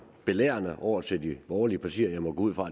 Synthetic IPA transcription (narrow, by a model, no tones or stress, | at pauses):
b̥e̝lḛːɐnəʔɒʊ̰ɐt͡sʰeld̥ib̥ɒːliəpʰɑ̈t͡sʰḭːɐjaɪmɒ̽ɡ̥o̰uð̰ˠfʁɑ̈